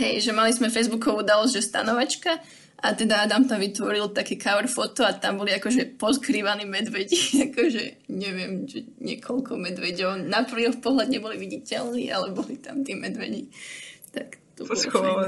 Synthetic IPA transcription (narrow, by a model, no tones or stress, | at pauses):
ɦɛjʒɛmalizmɛfɛjzbukɔʋuuːd̪alɔzɟʒɛst̪a̰nɔʋat͡ʃka | ʔat̪ɛd̪aad̪amt̪amʋit̪ʋɔɾilt̪akɛːkaʋɾfɔt̪ɔat̪ambɔliakɔʒɛpɔskɾiːʋaniːmɛd̪ʋɛɟiakɔʒɛ̰ɲɛʋɪɛmt͡ʃɛɲɪɛkʰɔlkʰɔmɛd̪ʋɛɟɛnapɾ̩ʋiɔfpɔɦlad̪ɲɛbɔliʋiɟicɛlnḭːʔa̰lɛbɔlit̪a̰mt̪iːmɛd̪ʋɛ̰ɟit̪akt̪ub